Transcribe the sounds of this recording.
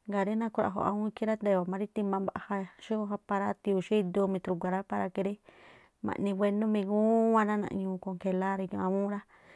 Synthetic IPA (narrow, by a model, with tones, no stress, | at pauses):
ŋɡa˨ɾi˦nã˦˧kʷɾa̰˧˨ɦo̰˨a̰˧ũ˦˧ki˦ɾa˦nd̪e˧˨a˨mã˧ɾi˦t̪i˧mã˧ba˧ʔha˧ʃi˦o˦ɦa˧pa˧ɾa˦t̪i˧u˧˨ʃi˦˧d̪u˧mĩ˧t̪ɾu˧ɡʷa˨ɾa˦pa˧ɾa˧ke˧ɾi˦ | mã̰˨ʔnĩ˧wʷe˧nũ˦mĩ˧ɡũ˦wã˧nã˦nã̰˧ʔɲũː˧ko˧ŋke˧˨la˦ɾe˧kṵ̃˧a˧ũ˦ɾa˦